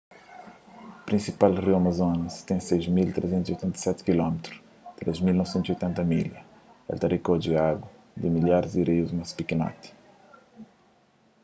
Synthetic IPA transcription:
pɾĩsipalriwɐmɐzonɐst̪ẽj̃sejzmilt̪ɾezẽt̪uziojt̪ẽnt̪ɐsɛt̪kilɔmt̪ɾus | t̪ɾezmilnɔvsẽnt̪ziojt̪ẽnt̪ɐmḭlɐ | ɛ̰lt̪ɐɾikod͡ʒiaɡɐ | d̪ɪmilaɾzd̪iɾejuzmɐspikinɔ̰t̪i̥

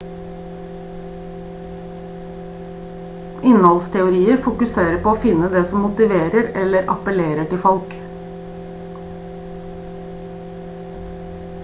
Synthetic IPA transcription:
ʔɪnhɑlst̪ʰɛʊɾiːəɾfʊkʉseːɾəpʰoːoːfɪnəd̪eːsɔmmʊt̪ɪʋeːɾəɾɛləɾʔɑ̰pəleːɾəʈɪlfɔlk

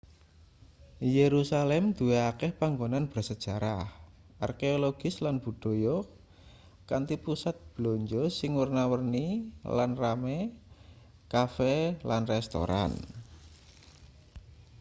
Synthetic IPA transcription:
jeɾusalɛmd̪̥ṳeakɛhpaŋɡonanb̥ərsəd̥ʒ̥a̤ɾah | ʔa̰rkeoloɡ̥ɪslanb̥ṳɖ̥o̤jɔ | kant̪ipusat̪̚b̥loɲd͡ʒɔsɪŋwurnawərnilanrame | kafɛlanrɛst̪o̰ɾa̰n

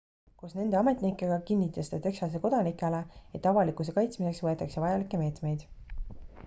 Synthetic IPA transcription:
kusne̞nd̪e̞ɑme̞t̪nikːˑeɡ̥ɑkinːit̪ːˑɑst̪et̪e̞ksɑs̬eko̞d̪̥ɑnikːˑeleet̪ːˑɑvɑlikus̬e̞kɑjt̪smise̞ksvɤe̞t̪ːˑɑkse̞vɑjɑlikːˑe̞me̞ːt̪me̞jd̪̥

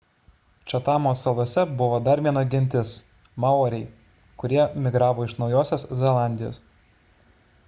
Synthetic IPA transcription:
t͡ʃʲɐt̪ɑːmoːsɐlˠuɔsʲɛbʊʋoːd̪ɐɾʋʲiɛnoɡʲɪnʲt̪ʲɪs | mɑˑʊɔɾʲɛɪ | kʊɾʲiɛmʲɪɡɾɑːʋoːɪʃnɒʊjoːsʲoszʲɛlˠɑˑnʲd̪ʲɪjo̰ːs

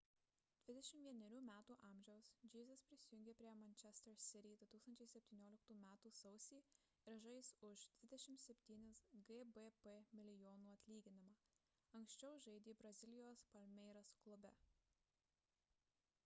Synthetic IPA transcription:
d̪̥ʲʋʲɪd̪ʲɛʃʲɪmtʋʲiɛnʲɛɾʲuːmʲæːt̪uːʔɑːˑmʲʒʲɛʊsd͡ʒʲiːzʲɐspʲɾʲɪsʲɪjʊŋʲɡʲeːpʲɾʲiɛmɐnʲt͡ʃʲɛsʲt̪ɛɾsʲɪɾʲid̪ʊt̪uːkst̪ɐnʲt͡ʃʲɛɪsʲɛpʲt̪ʲiːnʲoːlʲɪkt̪uːmʲæːt̪uːsɐʊsʲiː | ɪɾʒɐɪsʊʃd̪ʲʋʲɪd̪ʲɛʃʲɪmt̪sʲɛpʲt̪ʲiːnʲɪsɡɛbepemʲɪlʲɪjoːnuːɐt̪ʲlʲiːɡʲɪnʲɪmɑː | ɐŋʲksʲt͡ʃʲɛʊʒɐɪd̪ʲiːbɾɐzʲɪlʲɪjoːspɐlʲmʲɛɪɾɐsklˠʊbʲɛ

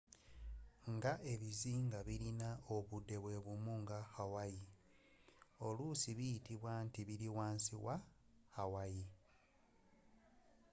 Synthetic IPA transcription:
ŋɡaʔe̞βiziːŋɡaβiɾinao̞βudːe̞βwe̞ːβumuŋɡaxawaji | o̞lusiβijitiβwantiβiliwaːnsiwa | xawaji

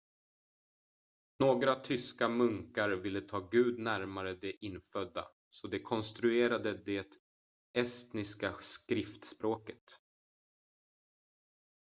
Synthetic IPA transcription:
noːɡɾat̪ʰʏskamɵŋkaɾvɪlːət̪ʰɑːɡʉ̟ːd̪næɾmaɾəd̪ɛʔɪnːfœd̪ːa̰ | sɔd̪ɛkʰɔnst̪ɾɵeːɾad̪əd̪ɛt̪ | ɛst̪nɪskaskɾɪft̪spɾoːkət̪

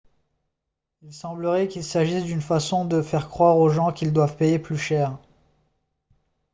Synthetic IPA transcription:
ilsɑ̃bləʁɛkʲilsaʒisd̪ynfasɔ̃d̪əfɛʁkχwaʁoʒɑ̃kʲild̪wavpejeplyʃɛːʁ

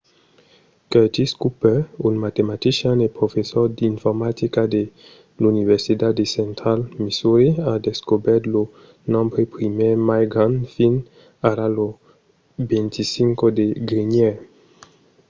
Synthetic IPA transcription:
ket̪iskupɛunmat̪emat̪isjanepɾofesɔʁd̪infɔʁmat̪ikad̪e | lunivɛʁsit̪ad̪esɛ̃nt̪ʁalmisuɾiad̪eskobɛʁt̪lo | nɔ̃mbɾepɾimɛmajɡʁãnfin | aɾalo | bɛ̃nt̪ʰisiŋkod̪eɡɾiɲɛ

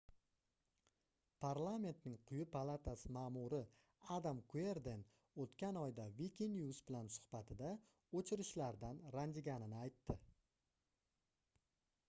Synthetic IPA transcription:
pʰaɾlˠame̞nt̪nɪŋqʰʊjʊpʰalˠat̪ʰasɪmaːmʊɾɪ | ad̪amkʰue̞ɾd̪e̞n | ot̪kʲanɒjd̪avikʲinjuzbɪlansʊ̥hbat̪ʰɪd̪a | ot͡ʃʰɪɾɪʃlaɾd̪anɾand̪ɪɡʲanɪnɪajt̪ːɪ

